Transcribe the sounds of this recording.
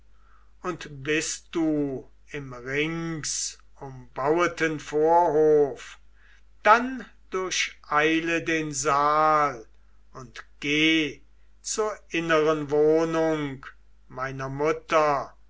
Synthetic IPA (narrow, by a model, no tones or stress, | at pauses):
ʔʊntb̥ɪst̚d̥uː | ɪmʁɪŋs | ʊmbawətənfoːɐɦoːf | d̥an | d̥ʊɐɕʔaɪlədeːnzaːl | ʊntɡ̥eː | t͡suːɐʔɪnəʁənvoːnʊŋk | maɪnɐmʊtɐ